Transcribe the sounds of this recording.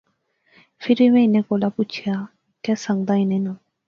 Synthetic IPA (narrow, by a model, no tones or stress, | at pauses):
pʰɪɾimɛ̃ːɪnɛ̃ːkoːlaːput͡ʃʰjaː | kɛsə̃ŋɡd̪aːɪnẽːnã